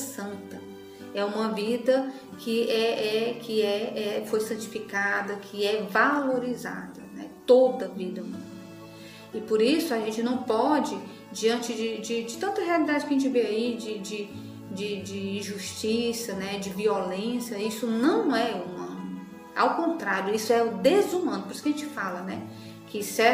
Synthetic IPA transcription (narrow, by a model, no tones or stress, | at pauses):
sɐ̃nt̪ɐ | ɛũmɐvid̪ɐ | kʰɪɛʔɛkʰɪɛɛfojsɐ̃nt͡ʃi̥fikad̪ɐkʰɪɛvaloɾiza̰d̪ɐnɛ̰t̪od̪ɐvid̪ɐumɐ̃n | ɪpoɾisʊaʒẽnt͡ʃɪnɐ̃w̃pɔd͡ʒɪ | d͡ʒiɐ̃nt͡ʃɪd͡ʒɪd͡ʒɪd͡ʒɪt̪ɐ̃nt̪ɐɦealid̪ad͡ʒɪkɐʒẽt͡ʃɪveaid͡ʒɪd͡ʒɪ | d͡ʒɪd͡ʒɪĩʒuʃt͡ʃisɐnɛd͡ʒɪviɔlẽsjɐisʊnɐ̃w̃ɛumɐ̃nʊʊ | a̰wkõnt̪ɾaɾjʊisʊɛʊd̪ezumɐ̃nʊpoɾisʊkaʒẽt͡ʃɪfalɐnɛ | kɪsɛ